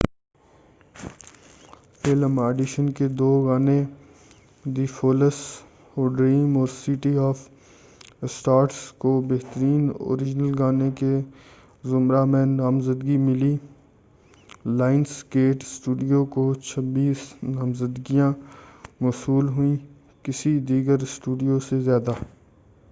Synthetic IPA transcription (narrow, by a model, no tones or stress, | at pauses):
eːləmaːɖɪʃənked̪oːɡaːne | d̪iːfʰoːləs | oːɖɾiːmɔːɾsiʈiɔːf | sʈaːɾʈskobeɦt̪əɾiːno̰ːɾɪd͡ʒnəlɡaːneke | zʊmɾamẽnaːmzəd̪ɡimɪliː | laːɪnskeːʈsʈuːɖijokot͡ʃʰəbiːsnaːmzəd̪ɡijãmɔːsuːlɦʊĩ | kɪsid̪iːɡəɾsʈuːɖijosezjaːd̪aː